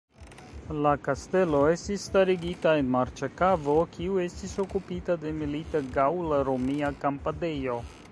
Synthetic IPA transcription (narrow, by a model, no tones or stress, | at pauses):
lakaste̞lo̞e̞stisːtaɾiɡitae̞nmaɾt͡ʃekavo̞kʰiue̞stiso̞kupitade̞militeɡawlaɾomiakampade̞jo̞